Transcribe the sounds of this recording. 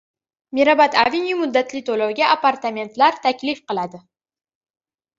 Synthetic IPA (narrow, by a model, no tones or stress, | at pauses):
meɾabat̪a̰vinjumʊd̪ːat̪lɪt̪ʰolowɡʲaʔapaɾt̪amʲe̞nt̪laɾt̪ʰakʲlɪfqɨlˠad̪ɪ